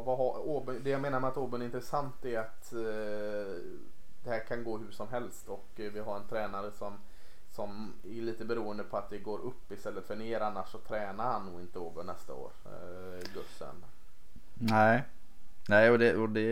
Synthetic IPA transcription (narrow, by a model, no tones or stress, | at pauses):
vaɦaoːbɵnd̪ɛjameːnaɾmɛat̪oːbɵnɪnt̪ɾəsant̪æɾat̪ | d̪̥ɛhæːɾkʰanɡoːɦʉʂɔmɦɛlst̪ɔk | vɪɦaɾɛnt̪ʰɾɛːnaɾəsɔm | sɔm | æɭiːt̪əbɛɾuːənd̪əpʰɔat̪̚d̪ɛɡoːɾɵpːɪst̪ɛlːət̪fœɳeːɾanːaʂːɔt̪ʰɾɛːnaɾhanːuːɪnt̪əoːbɵnnɛst̪a̰o̰ːɾ | ɡɵsːə̰n | næɪ | næɪɔd̪ɛɔd̪ɛ